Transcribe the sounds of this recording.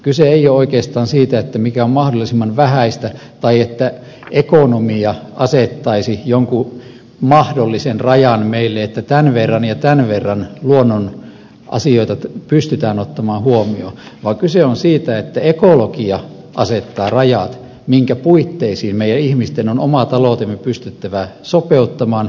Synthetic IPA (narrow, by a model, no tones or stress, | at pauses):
kyseeijooikeːst̪ɑːnsiːt̪æet̪ːæmikæommɑhdolːˑisimːɑnʋæhæist̪æt̪ɑiet̪ːæ | ekonomiɑʔɑset̪ːɑisijoŋku | mɑhdolːisenrɑjɑnmeilːeet̪ːæt̪ænʋerːɑnjɑt̪ænʋerːɑnluonːon | ʔɑ̰sioit̪ɑpyst̪yt̪æːnot̪ːɑmɑːhuomio̰ʋɑːkyseonsiːt̪æet̪ːæekolokiɑ | ʔɑset̪ːɑːrɑjɑt̪ | miŋkæpuit̪ːeisiːmmeijænihmist̪enonomɑt̪ɑloˑt̪emːepyst̪yt̪ːæʋæsopeut̪ːɑmɑːn